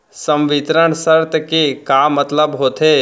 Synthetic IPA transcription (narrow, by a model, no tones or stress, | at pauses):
sə̃mʋɪt̪ɾəɳ̃səɾt̪əkekamːɐt̪ləbɦoːt̪ʰeː